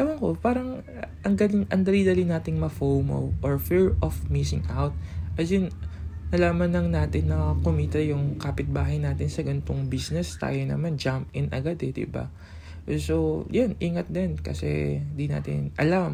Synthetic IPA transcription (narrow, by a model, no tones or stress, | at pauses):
lɐmɐŋkopaːɾɐŋ | ʔɐŋd̪ɐlɪŋʔɐŋd̪ɐliːd̪ɐlɪnaːt̪ɪŋmɐfowmo̰wʔoɹfiɹʔofmisɪŋʔawt̪̚ʔɐd͡ʒɪnnɐlaːmɐnlɐŋnaːt̪ɪnːɐkomiːt̪ɐjʊŋkaːpɪt̪̚baːɦɐjnaːt̪ɪnsɐɡɐnt̪oŋbisnɛst̪a̰ːjonɐ̰mand͡ʒamp̚ɪnʔɐ̰ɡad̪ɛd̪ɪ̰ba̰ | sojanʔiːŋɐt̪̚d̪ɛnkɐ̰sɛ̰nd̪ina̰ːt̪ɪ̰nʔɐ̰lam